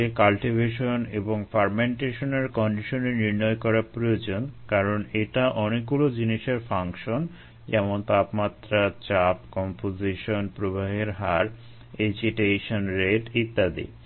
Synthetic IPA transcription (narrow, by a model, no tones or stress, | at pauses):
ekalʈibʱeʃoneboŋfaɾmeɳʈeʃoneɾkɔɳɖiʃoneɾniɾnɔjkɔɾaɾpɾojod͡ʑonkaɾoneʈaʔɔnek̚ɡulod͡ʑiniʃeɾfaŋkʃon | d͡ʑɛmont̪apmat̪ɾat͡ɕap̚kɔmpoziʃonpɾobaɦeɾɦaɾ | ed͡ʑiʈeʃonɾeʈit̪ːad̪ḭ